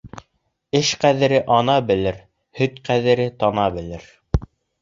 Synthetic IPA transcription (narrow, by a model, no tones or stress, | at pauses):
ɘʃqæðɘ̆ɾɘʔɑnɑbɘ̆lɘɾ | hɵt̪qæðɘ̆ɾɘt̪ɑnɑbɘ̆lɘɾ